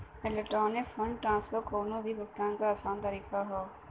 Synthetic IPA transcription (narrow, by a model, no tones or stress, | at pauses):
meləʈoːnefʰəɳɖʈɾãːnsfəɾkʰoːnõːd̪iːbək̚t̪ãnkaːsãːnt̪əɾiːkaɦoː